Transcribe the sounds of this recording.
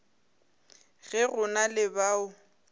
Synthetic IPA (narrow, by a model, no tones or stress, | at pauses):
ɣɛɣʊnalɪbaːʊ